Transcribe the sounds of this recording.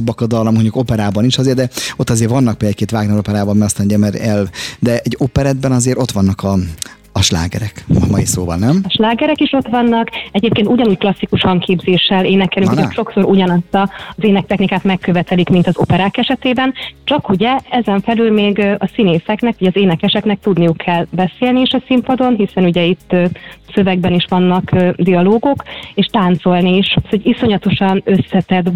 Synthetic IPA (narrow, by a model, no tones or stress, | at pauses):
bːɒkɒd̪ɒlːɒmoɲɟuko̞pɛɾaːbɒniʃɒzeːrd̪ɛo̞t̪ːɒzeːɾvɒnːɒk̚peːld̪akeːt̪vaːɡnɛlopɛɾaːbɒmiɒst̪anoɟɛmɛɾɛld̪ɛɛɟːopɛɾɛd̪̚bɛnɒzeːɾo̞t̪ʋɒnːɒkɒː | ʃla̰ːɡɛ̰ɾɛkmɒjisoːvɒ̰lnɛmʃlaːɡɛɾɛkiʃo̞t̪ʋɒnːɒkɛɟeːp̚keːnt̪uɟɒnuːcklɒsːikuʃhɒŋkʰeːbzeːʃːɛleːnɛkɛlyŋkooʃo̞kso̞ɾuɟɒnɒst̪ɒzeːnɛk̚t̪ɛxnikaːt̪mɛkːøvɛt̪ɛlikmint̪ɒzo̞̰pɛɾaːkɛʃɛt̪eːbɛnt͡ʃɒkuɟɛɛzɛɱfɛlylmeːɡɒsineːsɛknɛkɒɟɒzeːnɛkɛʃɛknɛk̚t̪ud̪nijukʰːɛlbɛseːlniiʃɒsimpɒd̪o̞nɦisɛnuɟɛit̪ːsø̞vɛɡbɛniʃʋɒnːɒkd̪iɒloːɡokeːʃt̪aːnt̪so̞lniːʃt̪hoɟiso̞ɲɒt̪o̞ʃɒnøsːɛt̪ɛd̪